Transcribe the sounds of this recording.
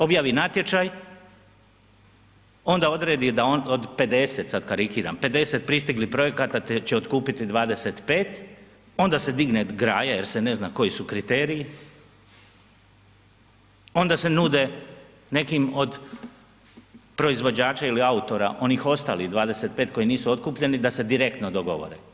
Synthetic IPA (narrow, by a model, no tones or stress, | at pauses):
o̞bjaːʋinat̪je̞t͡ʃaj | o̞nd̪ao̞d̪ɾe̞ːd̪id̪aonod̪pe̞d̪e̞se̞t̪sad̪kaɾikiːɾa̰mpe̞d̪e̞se̞t̪̚pɾist̪iɡlipɾo̞je̞kat̪at̪et͡ɕeot̪kuːpit̪id̪ʋaːd̪e̞se̞t̪pe̞ːt̪ | o̞nd̪ase̞d̪iɡned̪ɡɾaːjajeɾsene̞znako̞jisukɾit̪eːɾiji | o̞nd̪ase̞nuːd̪e̞ | ne̞kimo̞d̪ | pɾo̞izʋo̞d͡ʑaːt͡ʃailiaut̪o̞ɾa̰ʔo̞nixo̞st̪a̰ːliɣd̪ʋaːd̪ese̞t̪̚pe̞ːt̪̚ko̞iniːsuo̞t̪̚kuːpʎe̞nid̪ase̞d̪iɾe̞kt̪nod̪o̞ɡo̞ʋo̰ɾḛ